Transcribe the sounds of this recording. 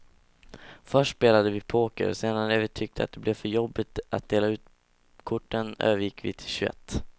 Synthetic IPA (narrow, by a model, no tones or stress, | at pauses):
fœʂʈspeːlad̪əvɪpʰoːkə̰ɾseːnaɾnævɪt̪ʰʏk̚t̪ʰəat̪̚d̪ɛblɛvfœɾjɔbːɪt̪at̪̚d̪eːlaʉ̟ːt̪ | kʰʊʈːənø̰ːvəɾjɪkːvɪ̰t̪ʰɪ̥lɕɵɛ̰t̪ː